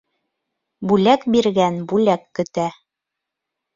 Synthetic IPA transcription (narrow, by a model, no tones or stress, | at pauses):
bʉlækbiɾɡænbʉlækːɵ̆t̪æ